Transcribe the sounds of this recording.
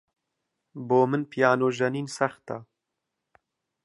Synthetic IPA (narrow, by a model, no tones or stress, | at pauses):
boːmɨnpʰijɑːnoːʒɐniːnsɐxt̪a̰